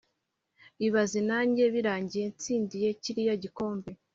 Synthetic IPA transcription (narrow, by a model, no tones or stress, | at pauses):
iβazinaːɲɟe̞βiɾaːɲɟije̞nt͡siːndije̞ciɾijaɟiko̞ːmbe̞